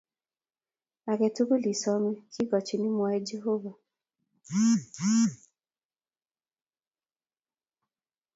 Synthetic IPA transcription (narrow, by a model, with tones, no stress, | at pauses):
a˨ɡɛ˨tu˦ko˦li˨sɔ˨˦me˦ki˦ɡɔ˨t͡ʃi˨ni˦m˦˧a˦i˦d͡ʒe˦ɦo˦va˨˦